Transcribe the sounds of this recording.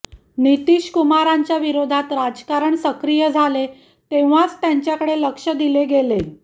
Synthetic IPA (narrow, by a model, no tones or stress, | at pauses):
nit̪iːɕkumaɾaɲt͡ɕjaʋiɾod̪ʱat̪ɾad͡zkaɾəɳsəkɾijəd͡zʱale | t̪eʋ̤at͡st̪jãɲt͡ɕjakəɽeləkʂəd̪ileɡele